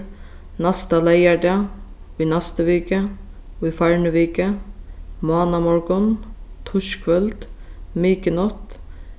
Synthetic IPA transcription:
nɑst̪ɑlæɪæɖɑ | iːnæst̪əʋiːkəiːfæɹɳəʋiːkə | mʊɑːnɑmɔɹɡɔnt̪ʰʊʃkʰʋœld̪̥miːkənɔt̪

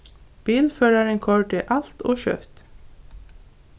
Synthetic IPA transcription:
b̥iːlfœːɾaɾɪŋkʰɔɹɖɪʔal̥t̪ɔ̰ːɕœ̰t̪

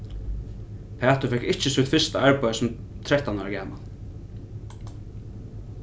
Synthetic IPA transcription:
pʰæːt̪ʊfɛkɪht͡ʃɪsut̪fɪst̪a̰æɹpajsʊm | t̪ʰɾɛht̪anaɡæːma̰l

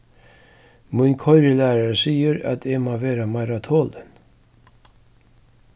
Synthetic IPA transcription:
mʊnkʰɔʏɾəlæːɾaɹsiːəɾa̰t̪ʰɛːmaːʋeːɾamaɪɾat̪ʰoːlən

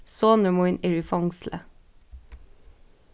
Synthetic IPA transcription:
soːnəmʊɪnɪɹɪfɑŋslə̰

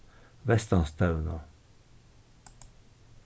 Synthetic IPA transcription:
ʋɛst̪ɑnst̪ʰaʉno̰

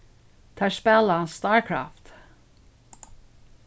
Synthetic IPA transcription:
t̪ʰɑspɛlanst̪ɑɹkʰɹa̰ft̪

